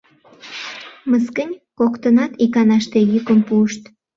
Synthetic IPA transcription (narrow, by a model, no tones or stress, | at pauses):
məskənʲkokt̪ənɑt̪ikɑnɑʃt̪ejykəmpuəʃt̪